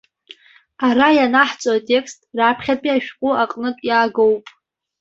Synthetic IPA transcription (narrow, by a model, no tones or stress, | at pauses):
aɾajanaħt͡sʷʼoatʼe̞kstʼrapʰχʲapʼiaʃᶣqʷʼʊaqʼnɨtʼjaːɡowpʼ